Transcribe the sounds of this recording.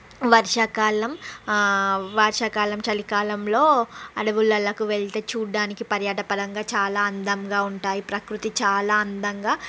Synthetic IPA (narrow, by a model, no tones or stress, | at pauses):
ʋɐɾʂɐkaːlɐm | ʋɐɾʂɐkaːlɐmt͡ʃɐlikaːlɐmlo̞ːɐ̰ɽɐʋulːɐlɐkuʋeɭt̪e̞ːt͡ʃuːɽːaːnikipɐɾjɐʈɐpɐd̪ɐŋɡaːt͡ʃaːlaːɐnd̪ɐmɡaːuɳʈaːjipɾɐkɾut̪it͡ʃaːlaːɐnd̪ɐŋɡaː